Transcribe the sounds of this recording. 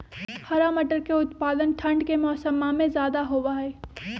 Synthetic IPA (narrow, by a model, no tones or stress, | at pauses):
hʰɐɾamɐʈəɾkeʊt̪paːd̪ənʈʰɐ̃ɳɖkemɔːsəmamẽzjaːd̪aɦoːʋaɦɛː